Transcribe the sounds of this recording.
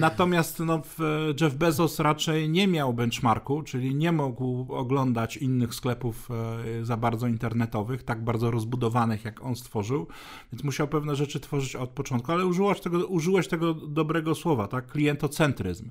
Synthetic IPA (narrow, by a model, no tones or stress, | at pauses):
nat̪ɔmʲjast̪nɔvʐɛvbɛzɔsɾat͡ʂɛjɲɛmʲjawbɛnt͡ʂmaɾkut͡ʂɘlʲiɲɛmuɡwɔɡlɔnd̪at͡ɕinːɘxsklɛpufzabaɾd̪zɔint̪ɛɾnɛt̪ɔvɘxt̪aɡ̚baɾd̪zɔɾɔzbud̪ɔvanɘxjakɔnst̪fɔʐɘw | vʲjɛnsmuɕawpɛvnɛʐɛt͡ʂɘt̪fɔʐɘt͡ɕɔt̪̚pɔt͡ʂɔnt̪kualɛuʐɘwaɕt̪ɛɡɔuʐɘwɛɕt̪ɛɡɔd̪ɔbɾɛɡɔswɔvat̪akːlʲijɛnt̪ɔt̪sɛnt̪ɾɘ̰zm